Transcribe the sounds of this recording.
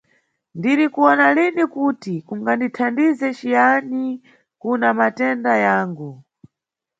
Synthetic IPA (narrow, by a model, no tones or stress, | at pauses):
ndiɾikuɔnalinikutikuŋɡanditʰandizɛt͡ʃijani | kunamatɛndajaːŋɡu